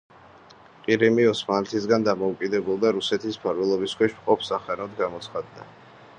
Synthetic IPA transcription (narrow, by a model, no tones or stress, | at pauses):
qʼiɾimiɔsmanlɛt̪ʰisɡand̪amɔukʼid̪ɛbulˠd̪aɾusɛt̪ʰispʰaɾvɛlˠɔbiskwɛʃmqʼɔpʰsaχɛnɔd̪ɡamɔt̪sχad̪ːa